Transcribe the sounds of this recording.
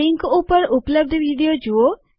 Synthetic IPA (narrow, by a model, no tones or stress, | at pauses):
ɪŋkupəɾʊpləb̚d̪ʋiːɖijod͡ʒuo